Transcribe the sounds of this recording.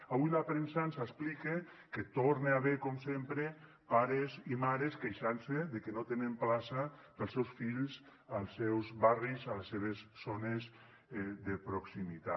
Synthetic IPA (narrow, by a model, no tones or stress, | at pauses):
aβujlapɾensansasplike | ket̪oɾneaβekɔmsempɾe | paɾezimaɾeskejʃanseðekenot̪enemplasapəlˠsɛwsfiʎzalˠsɛwzβarizaleseβ̞esːonez | ðepɾoksimit̪a